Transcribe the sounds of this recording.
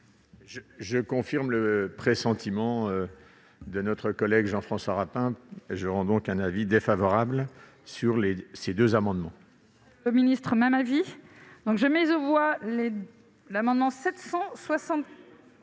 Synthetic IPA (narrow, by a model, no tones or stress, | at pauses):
ʒəʒəkɔ̃fiʁmləpχesɑ̃t̪imɑ̃ø | d̪ənɔt̪χəkɔlɛɡʒɑ̃fχɑ̃swaʁapɛ̃ʒəʁɑ̃d̪ɔ̃kɛ̃navid̪efavɔʁabl | syʁlesed̪øzamɑ̃d̪mɑ̃ | ləminist̪χəmɛmavid̪ɔ̃kʒəmɛzovwale | lamɑ̃d̪mɑ̃sɛt̪sɑ̃swasɑ̃t̪